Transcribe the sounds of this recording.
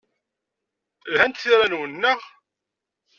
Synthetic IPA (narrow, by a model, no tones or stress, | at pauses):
lhænt̪θiɾænwənːəʁ